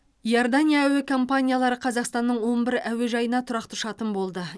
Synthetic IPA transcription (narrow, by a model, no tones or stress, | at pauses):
ijoɾd̪anʲijaæwekʰompanʲijalˠɑɾəqʰɑzɑqst̪ɑnːəɴwo̞nbɪɾæweʒɑjənɑt̪ʰʊɾɑqt̪əʃɑt̪ənbo̞lˠd̪ə